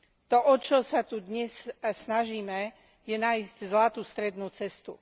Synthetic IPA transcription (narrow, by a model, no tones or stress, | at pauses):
t̪ɔʔɔt͡ʃɔsat̪ud̪ɲɛssnaʒiːmɛ | jɛnaizczlat̪ust̪ɾɛd̪nuːt͡sɛst̪ṵ